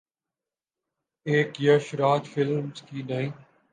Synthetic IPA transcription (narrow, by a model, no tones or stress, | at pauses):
eːkjəʃɾaːd͡ʒfɪlmskiːnaĩː